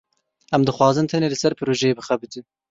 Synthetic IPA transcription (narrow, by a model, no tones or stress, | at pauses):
ʔæmd̪ɨxwɑːzɨnt̪ʰæneːlɨsɛɾpʰɨɾoːʒɛjeːbɨxæbɨt̪ʰɨ